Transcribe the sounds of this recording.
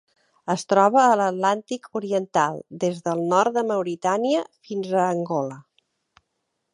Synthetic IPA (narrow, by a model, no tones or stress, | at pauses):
əst̪ɾɔβəːlət̪lant̪ikʰuɾiənt̪alˠd̪ezðəlˠnɔɾt̪̚d̪əməwɾit̪aniəfinzəːŋɡɔlə